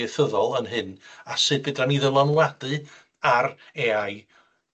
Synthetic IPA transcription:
ɨθəðɔlˠənɦɨnasɨːd̚bɨdaniðəlˠɔnwadɨ | areaj

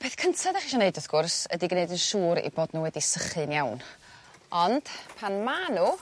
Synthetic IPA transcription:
pʰeːθkʰəntʰadaχiʃɔneɨdəθɡ̥ʊrsədiɡneɨdənʃuːɾḭboːdnuːwɛdisəχɨnjawn | ɔnd̥pʰanmanu

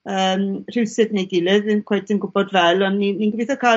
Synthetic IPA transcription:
əːmr̥ɪwsɨdnejɡɪlˠɨðɪnkʰwɛjtʰɪnɡʊbɔdvɛlˠɔnːinːinɡviθɔkʰa

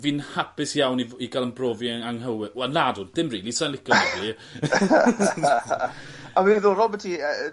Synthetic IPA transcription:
viːnhapɪsjawniiɡalˠənbrɔːviaŋɦəwɪwɛnladudd̥ɪmriːlisanlˠɪkʰɔɔdi | awiːnðʊɾɔbɛtʰiə

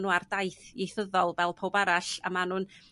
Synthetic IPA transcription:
nuːardajθejθəðɔlˠvɛlˠpʰoːbaɾaɬa̰manuːn

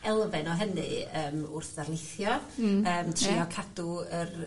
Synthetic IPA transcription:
ɛlˠvɛnɔɦənɨ̰əːmʊrθð̥arlˠɪθjɔəːmtʰriɔkʰad̥ʊər

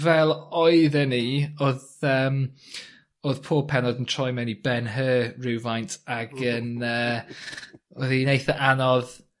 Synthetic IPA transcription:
vɛlˠɔɨðɛnioðəm | oð̥pʰɔːpʰɛnɔdəntʰɔjmɛnibɛnɦəːɹuːvajntʰaɡənəː | ɔðinejθəʔanɔð

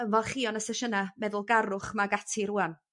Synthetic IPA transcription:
ənvɛlˠχiːɔnəsɛʃənamɛðʊlˠɡaɾʊχmaɡatʰiɾuːan

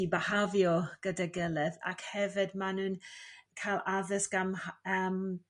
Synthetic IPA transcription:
ibəhavjɔɡ̥ədaɡɪlˠəða̰khɛvɪdmanuːnkʰalˠaðəsɡ̥aməm

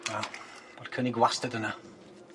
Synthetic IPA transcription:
a | b̥ɔd̥kʰəniɡwastədəna

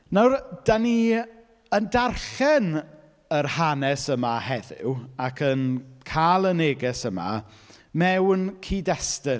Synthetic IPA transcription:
nawrd̥ani | əndarχɛn | ərhanɛsəmahɛðɪ̰wakʰənkʰaːlˠəneːɡɛsəma̰ | mɛwnkʰiːdɛstɪ

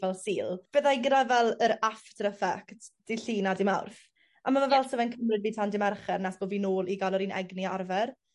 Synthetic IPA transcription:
vɛlˠsiːlˠb̥əðajɡədavɛlˠəɾaftɾəfɛktd̥iɬiːnadɪmawrθ | amamavɛlˠtʰəvɛnkʰəmrɨdviːtʰandɪmarχɛrnasb̥oːviːnoːlˠiɡalˠɔɾiːnɛ̰ɡniarvɛr

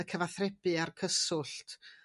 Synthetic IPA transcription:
əkʰəvaθrɛpɨarkʰəsʊɬtʰ

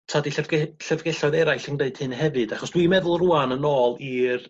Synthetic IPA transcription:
tʰadiɡɛɬəvɡɛɬɔɨðɛɾajɬɪŋdeɨd̥hɨnɦɛvɨd̥aχɔsd̥wimɛðʊlˠruanənoːlˠir

